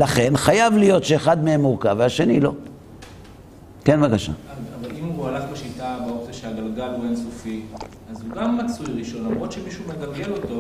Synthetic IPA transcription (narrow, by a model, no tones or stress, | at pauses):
laχe̞nχajavlijo̞t̪ʃe̞ːχad̪meemuʁkaveaʃe̞nilo̞̰ | ke̞nvakaʃa̰avalimualafbaʃitabaokt͡siaʃeaɡalɡaluensofi | azhuɡamːat͡sujʁiʃo̞nlamʁot̪ʃemiʃuumeɡalɡe̞lo̞to̞